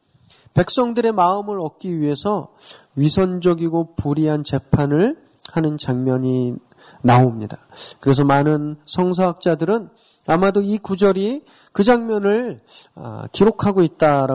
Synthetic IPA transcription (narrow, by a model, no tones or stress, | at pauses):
pe̞k̚s͈ʌŋdɯɾe̞maɯmɯɾʌt̚k͈iɥiɦe̞sʰʌ | ɥisʰʌnd͡ʑʌɡiɡopuɾiɦant͡ɕe̞pʰanɯɭ | hanɯnt͡ɕaŋmjʌɲi | naomɲidakɯɾe̞s̬ʰʌmanɯnsʰʌŋs̬ʰʌɦak̚t͡ɕ͈adɯɾɯn | amadoikud͡ʑʌɾi | kɯd͡ʑaŋmjʌnɯɭa̰kiɾokʰaɡoit̚t͈aɾa